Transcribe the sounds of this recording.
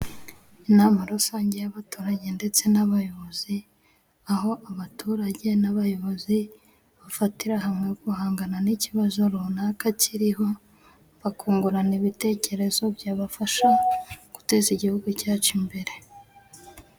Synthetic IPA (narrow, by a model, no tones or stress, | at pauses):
inaːmaɾusaːɲɟe̞jaβatuːɾaɟe̞nde̞t͡se̞naβajo̞βoz̥i | aɦo̞ʔaβatʰuɾaɟe̞naβajo̞βozi | βafatiɾaɦamŋekuhaːŋɡananiciβazo̞ɾunaːkaciɾiɦo̞ | βakuːŋɡuɾaniβite̞ːce̞ɾe̞zo̞bjaːβafaʃaɡ̥u̥te̞ːziɟihuɡucaːt͡ʃimbe̞ɾe̞